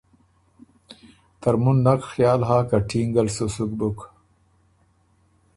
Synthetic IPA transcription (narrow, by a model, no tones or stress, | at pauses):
t̪aɾmunːakxjɑːlɦaːkaʈʰiŋɡalsusuk̚buk